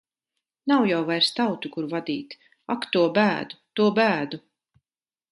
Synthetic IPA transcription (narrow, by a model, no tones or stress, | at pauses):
nawjawvajɾst̪awt̪ukuɾvad̪iːt̪ | akt̪uɔbæːd̪ut̪uɔbæːd̪u